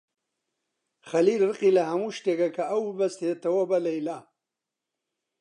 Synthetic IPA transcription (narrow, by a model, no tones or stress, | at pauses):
xɐlilrɨqilɐhɐmuʃt̪eɡɐkɐawbɐst̪et̪ɐwɐbɐlɐjla